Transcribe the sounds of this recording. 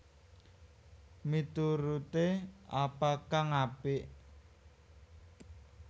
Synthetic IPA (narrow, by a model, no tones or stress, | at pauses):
mit̪uɾut̪eapakaŋapɪʔ